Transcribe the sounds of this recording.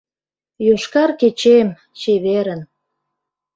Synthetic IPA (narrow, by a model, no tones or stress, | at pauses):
joʃkɑrket͡ɕem | t͡ɕeβeɾən